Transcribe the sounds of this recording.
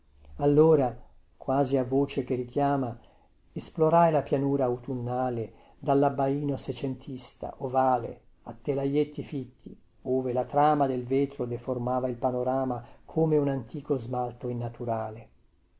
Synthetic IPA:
alːoːɾa | kwaːziavoːt͡ʃek̟erik̟jaːma | esploɾajlapjanuːɾaut̪unːaːle | d̪alːabːaiːnoset͡ʃent̪ʰist̪a̰ʔovaːlḛ | at̪ːelajet̪ːifit̪ːi | oːvelat̪ɾaːmad̪elveːt̪ɾod̪eformaːvailpanoɾaːmakʰoːmeunant̪iːkozmalt̪oinːat̪uɾaːle

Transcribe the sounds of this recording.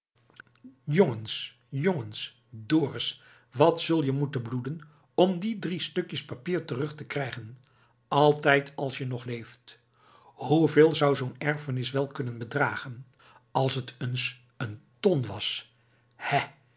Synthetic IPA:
jɔŋəns | jɔŋəns | dʊːrəs | ʋɑtsɵlˠjəmutəbludən | ɔmdidristɵkjəspapiːɹtərɵχtəkrɛjχən | ɑlˠtɛjtʰɑlˠsjənɔχlejft | huveːlˠzʌwzownɛɹfənɪsʋɛlˠkɵnənbədraːχən | ɑlˠsətəns | əntɔnʋɑs | hɛ

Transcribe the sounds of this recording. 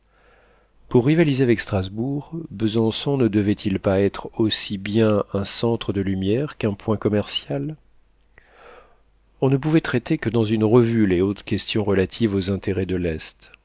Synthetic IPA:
puʁːivalizeavɛkst̪χazbuʁbəzɑ̃sɔ̃nəd̪əvɛt̪ʰilpaɛt̪χosibjɛ̃ɛ̃sɑ̃t̪χəd̪əlymjɛʁkɛ̃pwɛ̃kɔmɛʁsjal | ɔ̃nəp̬uvɛt̪χɛt̪ekəd̪ɑ̃zynʁəvyleot̪χkʲɛst̪jɔ̃ʁəlat̪ʰivozɛ̃t̪ʰeʁɛd̪əlɛst̪

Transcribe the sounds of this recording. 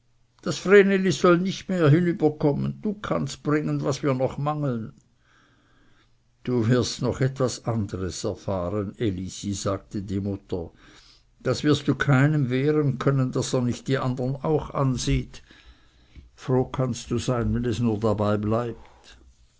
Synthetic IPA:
d̥asfʁeːnelizɔlnɪçtmeːɐɦinyːb̥ɐkʰɔmə̰nd̥uːkʰa̰nst̚b̥ʁɪŋənvasviːɐnɔχmaŋl̩n | d̥uːvɪɐstnɔχɛtv̥asandəʁəsɛɐfaːʁənelisizaːɡ̚tədiːmʊtə | d̥asv̥ɪɐstd̥uːkʰaɪnəmveːʁənkʰœnənd̥aseːɐnɪçt̚d̥iːʔandəna̰ʊxʔa̰nziːt | fʁoːkʰanstd̥uːzaɪnvɛnɛsnuːɐdabaɪblaɪp̚t

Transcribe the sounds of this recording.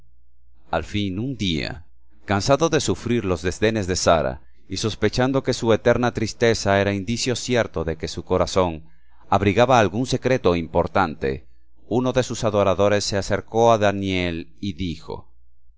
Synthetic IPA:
alfinund̪ia̰ | kansaðo̞ðe̞sufɾiɾlo̞zðe̞zðe̞ne̞zðe̞saɾa̰ | iso̞spe̞t͡ʃand̪o̞ke̞sue̞t̪e̞ɾnat̪ɾist̪e̞saeɾaind̪isjo̞sje̞ɾt̪o̞ðe̞ke̞suko̞ɾaso̞ŋ | aβɾiɣaβaːlɣunse̞kɾe̞t̪o̞impo̞ɾt̪ant̪e̞̰ | uno̞ðe̞susaðo̞ɾaðo̞ɾe̞sːe̞ase̞ɾko̞aðanje̞liðixo̞̰

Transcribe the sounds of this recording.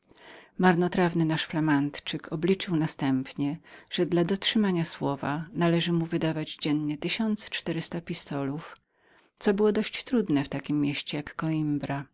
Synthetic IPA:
maɾnɔt̪ɾavnɘnaʂflamant̪t͡ʂɘkʰɔblʲit͡ʂɘwnast̪ɛmpɲɛʐ̥ɛd̪lad̪ɔtʂɘmaɲaswɔva̰nalɛʐɘmuvɘd̪avad͡ʑd͡ʑɛnɲɛt̪ɘɕɔnt̪st͡ʂt̪ɛɾɘst̪apʲist̪ɔluf | t̪sɔbɘwɔd̪ɔɕt͡ɕt̪ɾud̪nɛft̪akʲimːʲjeɕt͡ɕɛjakːɔimbɾa

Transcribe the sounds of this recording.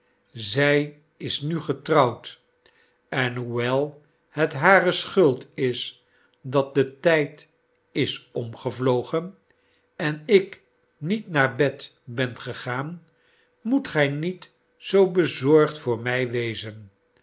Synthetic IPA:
zɛj | ɪsnyχətrɑwt | ɛnɦuʋɛlˠ | hətɦaːɾəsχɵlˠtɪs | dɑt̚dətɛjt | ɪsɔmχəvlowχən | ɛnɪk | nitnaːɹbɛt | bɛnχəχaːn | mutχɛjnit | sowbəzɔɹχtfʊːɹmɛjʋejzən

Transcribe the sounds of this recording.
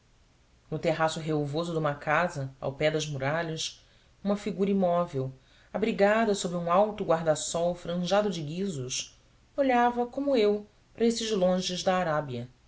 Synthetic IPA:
nʊt̪eɦasʊɦeovozʊd̪ũmɐkazɐa̰wpɛd̪ɐzmuɾaʎɐs | ũmɐfiɡuɾɐimɔvew | abɾiɡad̪ɐsobɾɪũawt̪ʊɡwaɦd̪asɔwfɾɐ̃ʒad̪ʊd͡ʒɪɡizʊs | oʎavɐkõmʊew | pɾɐesɪʒlõʒɪzd̪ɐːɾabiɐ

